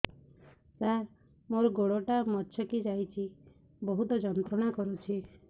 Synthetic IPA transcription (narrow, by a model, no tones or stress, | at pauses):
saɾ | moɾɔɡoɽoʈamɔt͡ʃʰɔkid͡ʒajt͡ʃʰi | bɔɦut̪ɔd͡ʒɔnt̪ɾɔɽ̃akɔɾut͡ʃʰi